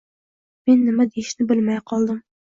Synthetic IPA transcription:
menːɪmɛd̪ejiʃnɪbɪlmɛjqʰɑlˠd̪ɨm

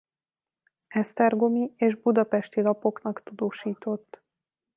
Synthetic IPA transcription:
ɛst̪ɛrɡo̞mieːʒbud̪ɒpɛʃt̪ilɒpo̞knɒkt̪ud̪oːʃiːt̪o̞t̪ː

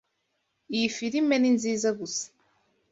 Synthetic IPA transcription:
ifiɾimeninziːzaɡusḁ

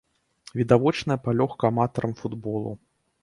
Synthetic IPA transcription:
vʲid̪avɔt͡ʂnɐjɐpalʲɔxkɐːmat̪ɐɾɐmfud̪bɔlˠṵ

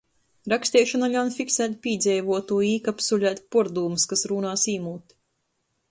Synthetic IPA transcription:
ɾakst̪iɛʃɔnalʲawnfiksæːt̪̚pʲiːd̪zʲɛjvuɔt̪uːiːkapsulʲæːt̪ʲpɔɾd̪uːmɨskasɾuːnaːsiːmuːt̪

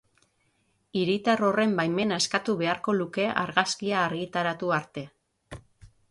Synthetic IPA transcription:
iɾit̪aro̞re̞mbajme̞naeskat̪uβe̞aɾko̞luke̞ʔa̰ɾɣaskiaːɾɣit̪aɾat̪uaɾt̪e̞

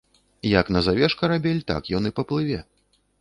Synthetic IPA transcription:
jɐknɐzavʲɛʂkɐɾabʲɛlʲt̪a̰kjɔnɨpɐplˠɨvʲɛ

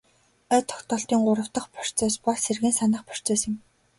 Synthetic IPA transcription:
œt̪ʰɔ̥xt̪ɔːɬt̪iːŋɢʊɾə̆w̥t̪ə̆χpɔ̥r̥t͡sœːspɔɮserɣɘ̆ːnsanə̆χpɔ̥r̥t͡sœːsɪ̆m

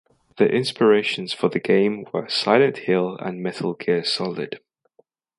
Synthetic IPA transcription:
ðiʔɪ̃nspəɹeɪʃə̃nz̥fəðəɡẽɪ̃mwə̰saɪlə̃nʔhɪlˠə̰̃nmɛtʰəlˠɡʰɪsɒlɪ̰d̥

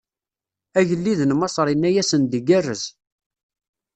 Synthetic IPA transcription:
æʝəlːiðənmɑsˤɾˤinːæjæsənd̪iɡærːəz

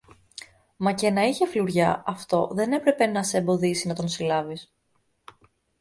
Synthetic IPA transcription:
mɐce̞nɐiçefluɾʝɐɐft̪o̞ðe̞ne̞pɾe̞pe̞nɐseembo̞ðisinɐt̪o̞nsilɐvis

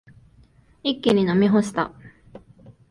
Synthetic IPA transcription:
ikʲːiɲ̟inamʲiɦoɕi̥t̪a̰

